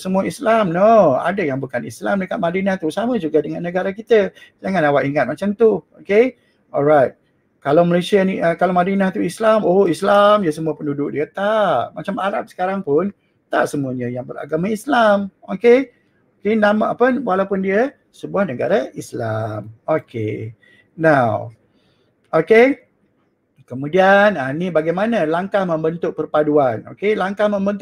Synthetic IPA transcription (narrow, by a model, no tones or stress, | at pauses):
səmuəislamnɔa̰dajaŋbukanislamdəkat̪̚madinaht̪usaməd͡ʒuɡadəŋanːəɡaɾakit̪ə | d͡ʒaŋanawaʔiŋat̪̚mat͡ʃamt̪uoke | ɔlɹajt̪̚ | kalawməlasianiʔəkalawmadinaht̪uislamoislamjəs̬əmuəpəndudʊk̚diət̪aʔmat͡ʃamaɾap̚sə̥kaɾaŋpʊn | t̪a̰ʔsəmuəɲəjaŋbəra̰ɡamãislamoke | okenamapənwalawpʊndiə | səbuahnəɡa̰ɾaʔislamokḛ | naw | oke | kəmũdiananibaɡajmanãlaŋkahmə̃mbənt̪ʊʔ̚pərpaduano̰kelaŋkahmə̃mbənt̪